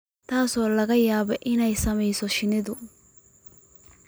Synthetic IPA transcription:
t̪aːsɔːlɐɣɐjaːbɛʔɪnɛjsɐmɐjsɔʃɪnɪd̪ʊ

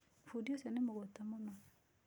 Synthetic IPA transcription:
fodiosenemoɡotamona

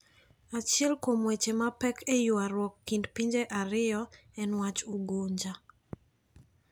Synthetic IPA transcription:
at͡ʃɪɛlkomwet͡ʃemapɛkʰejʊaɾwɔkːindpiɲd͡ʒeʔaɾɪjɔ | ɛnwat͡ʃuɡoɲd͡ʒa

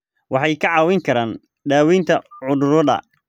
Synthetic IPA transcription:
wɑħɑjkʰɐʕɑːwɛjŋkʰɐɾaːn | ɖaːwint̪ʰɐʕʊðʊɾʊðɐ̰

